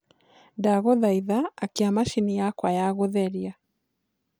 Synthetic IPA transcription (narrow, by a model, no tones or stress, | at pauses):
daɣɔðaiðaːkiamaʃinijakwajaɣoðɛɾia